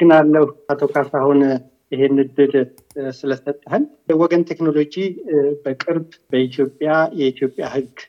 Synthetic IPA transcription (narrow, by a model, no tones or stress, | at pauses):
ɡɨnalːəhat̪ʰokʰasahun | ɪɦe̞nːɨd̪ɨd̪ | sɨləsət̪ʼːəɦɨn | wɔɡənt̪ʰekno̞lo̞d͡ʒibəkʼɨɾbbəit̪ʰjo̞pʼːjajɛit̪ʰjo̞pʼjahɨɡ